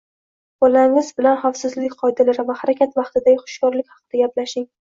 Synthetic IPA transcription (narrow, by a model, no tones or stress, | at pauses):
bɒlaŋɪzbɪlanχafsɪzlɪkʲqʰɒjd̪ɪlaɾɪvahaɾakʲʰat̪vɑqt̪ɪd̪aɡʲɪχʊ̥ʃkɒɾlɪkʲhɑ̥qɨd̪aɡʲaplaʃɪŋ